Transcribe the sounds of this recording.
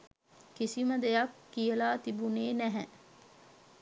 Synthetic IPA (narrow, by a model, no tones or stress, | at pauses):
kisiməd̪ejakːijəlaːt̪ibuneːnæɦɛ